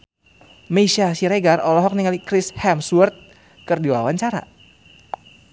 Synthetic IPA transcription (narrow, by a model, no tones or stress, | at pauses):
meʃasiɾeɡarɔlɔɦɔk̚niŋalikɾishɛmswərt̪̚ | kɨrdiwa̰waɲt͡ʃaɾa̰